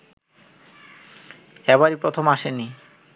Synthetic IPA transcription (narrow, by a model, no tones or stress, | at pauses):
ɛβaɾipɾot̪ʰomaʃeni